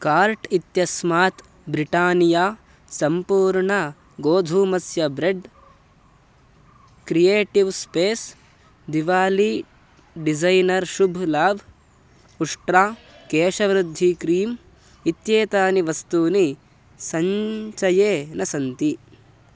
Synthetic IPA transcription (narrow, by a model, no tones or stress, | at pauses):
kaːɾʈit̪jɐsmaːt̪ | bɾiʈaːnijaː | sɐmpuːɾɳɐ | ɡoːd̪ʱuːmɐsjɐbɾeɖ | kɾijeːʈiʋspeːs | d̪iʋaːli | ɖid͡ʒɐjnɐɾʃubʱlaːʋ | uʂʈɾaː | keːʃɐʋɾud̪ʱːikɾiːm | it̪jeːt̪aːniʋɐst̪uːni | sɐɲt͡ʃɐjeːnɐsɐnt̪i